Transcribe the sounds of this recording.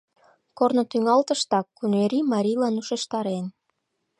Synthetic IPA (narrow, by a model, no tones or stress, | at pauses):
kornot̪yŋɑlt̪əʃt̪ɑkːuneɾimɑɾʲilɑnuʃeʃt̪ɑɾen